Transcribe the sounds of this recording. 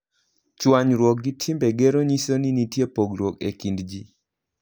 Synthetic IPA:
t͡ʃwaɲɾwɔk̚ɡitʰɪmbeɡeɾoɲisoninitjepoɡɾwɔkḛkindd͡ʒi

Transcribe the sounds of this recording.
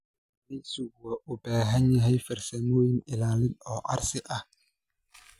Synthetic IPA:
nɪsʊɣaʔʊbɛːɦɛɲɛɦɛjfɛɾsɛnoːjɪnɪlaːlɪnɔːʔa̰ɾsɪʔa

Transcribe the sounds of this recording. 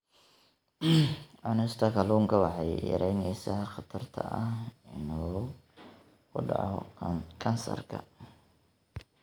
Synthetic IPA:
ʕʊnɪst̪ʰɐkʰɐluːŋkʰɐwɑħɑjjɐ̰ɾʔɛjnɛjsaːχɑt̪ʰɐrt̪ʰɐ̰ʔɐhɪnɔː | kʰʊɖɑ̰ʕɔkʰɐnsɐ̰rkʰɐ

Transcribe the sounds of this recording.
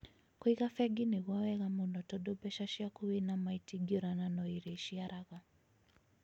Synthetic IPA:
kwiɣafɛɡiniɣwawɛɣamunɔtɔɗɔbɛʃaʃiakuwinamaitiɡiɾananɔiɾɛʃiaɾaɣa

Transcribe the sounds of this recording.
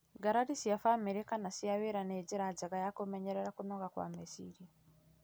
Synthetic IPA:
ɡaɾaɾisiafamiɾekanasiaweɾaned͡ʒeɾad͡ʒaɣajakomɛɲɛɾɛɾakonɔɣakwa̰mesḭɾia

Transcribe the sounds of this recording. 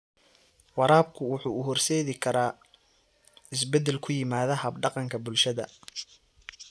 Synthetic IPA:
wɑɾaːb̚kʰʊwʊħuːʊɦɔrsɛːðɪkʰɐɾaː | ɪs̬bɛd̪ɛlkʰʊjɪmaːðɐhɐbɖɑqɑŋkʰɐbʊlʃɐðɐ̰

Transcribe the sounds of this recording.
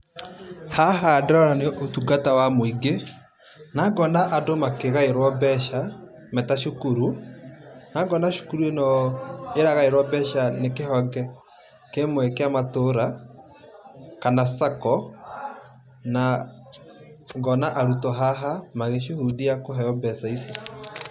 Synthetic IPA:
haɦaːdɾɔɾaneʔotuɡatawamoiɡe | naɡɔnaʔadomakeɣaeɾwabɛʃa | mɛtaʃokuɾu | naɡɔnaʃu̥kuɾuenɔeɾaɣaeɾwabɛʃanekehɔɡɛ | kemwɛkeamatoɾa | kanasakɔ | na | ɡɔnaʔaɾutɔɦaɦamaɣeʃehudijakoɦɛjɔbɛsaisi

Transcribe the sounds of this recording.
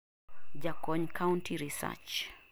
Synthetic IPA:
d͡ʒakɔɲkʰauntʰiɾisa̰t͡ʃ

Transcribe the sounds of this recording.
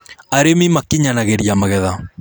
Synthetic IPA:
aɾemimakiɲanaɣeɾiamaɣɛða

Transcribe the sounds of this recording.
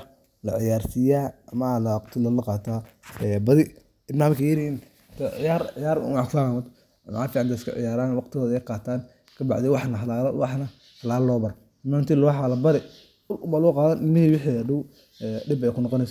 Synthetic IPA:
lɐʕɪjaːrsɪjaːɐmɐlaqt̪ʰɪlɐlɐqɑːt̪ʰaːɛbɐðɪ | ɪbnaːmkʰɐjɪɾiɪn | t̪ʰɐʕɪ̰jaːɾʕɪjaːɾʊ̰maʕkanamɔd̪ | mʕaːfiːʕɑnd̪ɛɪskʰɐ̰ʕɪ̰jaːɾaːnwɑqt̪ʰɪɣɔːðɛjqɑːt̪ʰaːn | kʰɐbɑ̰ʕd̪ɪwɑħnɐɦɐlaːl̰wɑħnɐ | hɐlaːlɐlɔːbɐɾ | maːnt̪ilʊħaːlɐbɐɾɛ | ʊlʊbaːluːqɑːðɐnʔɪlmːɪhiːwɪħiɐɖʊw | ɛɖɪbɛjkʰʊnːɔqɔnɛs

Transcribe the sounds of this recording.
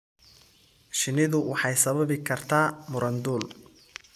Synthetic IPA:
ʃɪnɪðʊwɑħɑjsɐβɐβɪkʰɐrt̪ʰaːmʊɾɐnd̪uːl

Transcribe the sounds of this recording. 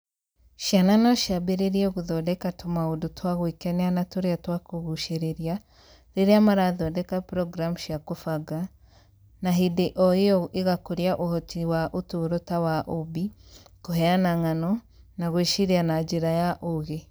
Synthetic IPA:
ʃjananɔʃjabeɾeɾiɛɣuðɔdɛkatomaodotwaɣwikɛneanatoɾeatwakoɣuʃeɾeɾia | ɾeɾeamaɾaðɔdɛkapɾɔɡɾamʃiakofaɡa | naɦideʔɔejɔʔeɣakoɾjaʔohɔtiwaʔotoɾotawaʔobikoɦɛanaŋanɔ | naɣwiʃiɾianad͡ʒeɾajaʔoɣe

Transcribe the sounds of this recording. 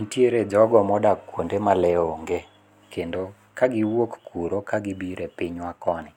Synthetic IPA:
ntjeɾed͡ʒɔɡɔmɔdakwondemalɛoŋɡe | kendo | kaɡɪwokkuɾokaɡɪbiɾepɪɲwakɔnɪ

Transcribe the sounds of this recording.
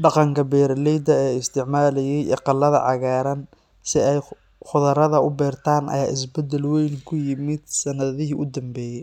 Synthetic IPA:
ɖɑqɑŋkʰɐbɛːɾlɛjd̪ɐɛːɪst̪ʰɪʕmaːlɛjɛjʔɛqɑlːɐðɐ̰ʕɑɣaːɾɐn | sɪɛj | χʊðɐɾɐðɐʊbɛːrt̪ʰaːnʔɐ̰jaːʔɪs̬bɛd̪ɛlwɛjŋkʰʊjɪmɪd̪̚sɐnɐðɪɦiːʔʊd̪ɐmbɛːjɛj

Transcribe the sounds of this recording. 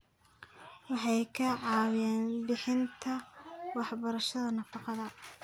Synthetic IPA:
wɑħɑjkʰɐʕɑːwjɛːnbɪħɪnt̪ʰɐwɑħbɐɾɐʃɐðɐnɐfɑqɑðɐ

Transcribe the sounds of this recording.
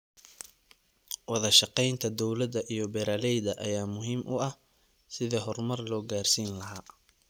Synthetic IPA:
wɑðɐʃɑqɛjnt̪ʰɐd̪ɔwlɐd̪ɐʔijɔbɛɾaːlɛjd̪ɐʔɐ̰jaːmʊɦiːmʔʊ̰ɐh | sɪðɐɦɔrmɐrlɔːɡaːrsiːnlɐɦaː

